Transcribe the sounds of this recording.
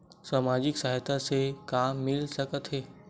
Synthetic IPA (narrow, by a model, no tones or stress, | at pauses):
saːmaːd͡ʒɪksaːɦt̪ʰasekaːmːɪlsɐkət̪ɦɛː